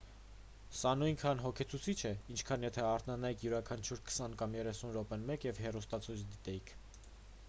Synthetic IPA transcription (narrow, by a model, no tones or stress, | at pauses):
sɑnujnkʰɑnɦɔkʰɛt͡sʰut͡sʰit͡ʃʰɛint͡ʃʰkʰɑnjɛt̪ʰɛɑɾt̪ʰnɑnɑjikʰjuɾɑkʰɑnt͡ʃʰuɾkʰə̥sɑnkɑmjɛrɛsunɾɔpɛnmɛkjɛvɦɛrust̪ɑt͡sʰujt͡sʰd̪it̪ɛjikʰ